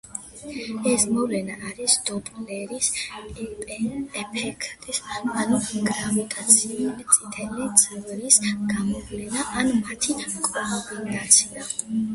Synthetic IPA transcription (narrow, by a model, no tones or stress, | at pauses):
ɛsmɔvlɛnaʔaɾisd̪̥ɔblɛɾis | ɛpʰɛkʰt̪ʼisanuɡɾavit̪ʼat̪sʰiulit̪sʼit̪ʰɛlit̪sʼɛvɾisɡ̥amɔvlɛnaʔanmat̪ʰikʼɔbinat̪sʰia